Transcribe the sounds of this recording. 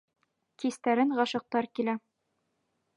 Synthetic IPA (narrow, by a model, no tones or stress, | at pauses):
kist̪æɾɘŋʁɒʃɤ̆q̚t̪ɑɾkilæ